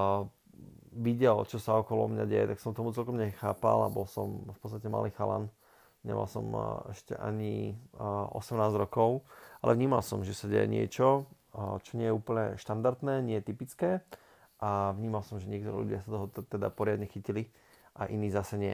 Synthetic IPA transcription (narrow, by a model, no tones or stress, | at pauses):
ʋiɟɛlt͡ʃɔsaɔkɔlɔ̰mɲaɟɛjɛ̰t̪aksɔmt̪ɔmut͡sɛlkɔmɲɛxaːpa̰la̰bɔlsɔ̰mfpɔt͡st̪acɛma̰liːxala̰n | ɲɛ̰ma̰lsɔ̰mɛʃcɛ̰ʔa̰ɲi | ʔɔ̰sɛmnaːzɾɔkɔʊalɛ̰vɲiːmalsɔmʒɛsaɟɛjɛ̰ɲɪɛ̰t͡ʃɔ | t͡ʃɔɲɪɛjɛuːpl̩ɲɛ̰ʃt̪and̪aɾt̪nɛːɲɪɛjɛt̪ipit͡skɛː | ʔavɲiːmalsɔmʒɛɲɪɛkt̪ɔɾɛ̰ʎṵɟɪasat̪ɔɦɔt̪ɛd̪a̰pɔɾɪad̪ɲɛxicili | ʔaʔiniːzasɛɲɪɛ̰